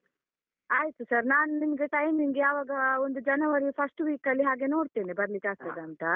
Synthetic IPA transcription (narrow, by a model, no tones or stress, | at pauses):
aːjit̪usɐɾnaːnunimɐɡeʈɐjmiŋɡeɐʋaːɡɐond̪ud͡ʒɐnɐʋɐɾipʰɐsʈʋiːkɐlːiɦaːɡe̞no̞ːɽt̪eːnibɐɾlikaːst̪eːd̪eɐnt̪ɐ